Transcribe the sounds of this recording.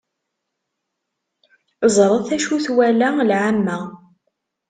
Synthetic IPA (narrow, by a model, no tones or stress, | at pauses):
zˤɾˤəθæʃuθwælælʕamːæ